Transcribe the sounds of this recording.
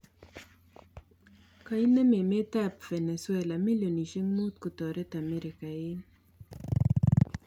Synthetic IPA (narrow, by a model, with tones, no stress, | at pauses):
ka˨i˦nɛ˦me˨me˦t̪a˦pfɛ˨nɛ˨swɛla˨mi˦ljo˨ni˨ʃe˦ŋmu˦t̪̚kʊ˨t̪ɔ˨ɾɛ˦t̪a˨mɛ˦ɾɪ˨ka˨ɪ˦n